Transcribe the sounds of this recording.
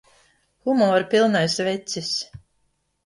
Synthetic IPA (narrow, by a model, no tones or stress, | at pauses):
xumɔːɾpilˠnajsvɛt̪sis